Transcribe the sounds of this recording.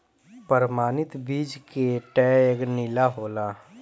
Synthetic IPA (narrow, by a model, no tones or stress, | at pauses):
pəɾmaːnɪt̪biːd͡ʒkeʈɛːeknɪlaɦoːlaː